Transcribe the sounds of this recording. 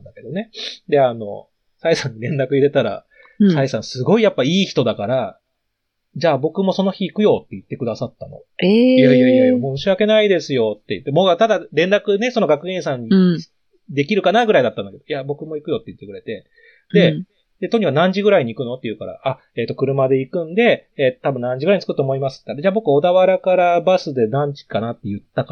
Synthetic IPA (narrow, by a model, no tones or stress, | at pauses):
nd̪ake̞d̪o̞ne̞d̪e̞ano̞ | saisãɲ̟ːiɾẽ̞nɾakɯ̟iɾe̞t̪aɾa̰ | saisãsɨɡo̞ijapːaiːçi̥t̪o̞d̪akaɾa | d͡ʑaːbo̞kɯ̟mo̞so̞no̞çiːkɯ̟jo̞t̪ːe̞it̪ːe̞kɯ̟d̪asat̪ːano̞̰ejaaiamoɕiake̞naid̪esɨjo̞t̪ːe̞ḭt̪ːemo̞ːt̪ad̪aɾẽ̞nɾakɯ̟ne̞so̞no̞ɡakɯ̟ẽ̞ɰ̃sãɲ̟ːi | d̪e̞kʲiɾɯ̟kanaɡɯɾaid̪at̪ːãnd̪aked̪o̞jabo̞kɯ̟mo̞ikɯ̟jo̞t̪ːe̞ji̟t̪ːe̞kɯ̟ɾe̞t̪e̞ | d̪e̞ | d̪e̞t̪oɲ̟ikakɯnãɲ̟d͡ʑiɡɯ̟ɾaiɲ̟iːkɯ̟no̞t̪ːejɯ̟ːkaɾa̰a | eːt̪ːo̞kɯ̟ɾɯ̟mad̪e̞ikɯ̟̃nd̪e̞t̪abɯ̟̃nnãɲ̟d͡ʑiɡɯ̟ɾaiɲ̟it͡sɨ̥kɯ̟t̪ːomoimasɨ̥t̪ːekaɾed͡ʑaːbo̞kɯ̟o̞d̪aβaɾakaɾabasɨd̪e̞nãɲ̟d͡ʑi̥kanat̪ːe̞jɯ̟t̪ːaka